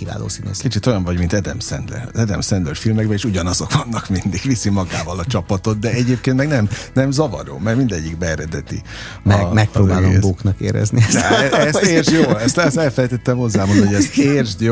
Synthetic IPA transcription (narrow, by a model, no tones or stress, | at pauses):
kiva̰ːlo̰ːsino̰kit͡ʃit̪o̞jɒɱvɒɟmint̪ɛd̪ɛmsɛ̰nd̪lɛ̰ɾɛd̪ɛmsɛnd̪lɛrfilmɛɡbɛeːʃuɟɒnɒzo̞kʋvɒnːɒkmind̪iɡʋisimɒɡaːvɒlɒt͡ʃɒpɒt̪o̞t̪̚d̪ɛɛɟeːp̚keːnt̪mɛɡnɛmnɛmzɒvɒ̰ɾo̰ːmɛrmind̪ɛɟːiɡbɛːɾɛd̪ɛt̪ḭ | mɛk̚pɾoːbaːlomboːknɒkḛːɾɛ̰zniɛd̪ɛɛseːrʒjoːlɛst̪ɛsɛlfɛlɛjt̪ɛt̪ːɛmhozːaːbonoɛzerʒjo